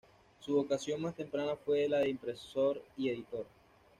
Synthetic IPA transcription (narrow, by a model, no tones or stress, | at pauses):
suβokasjo̞nmast̪e̞mpɾanafwe̞ðelaðeimpɾe̞so̞ɾie̞ðit̪o̞ɾ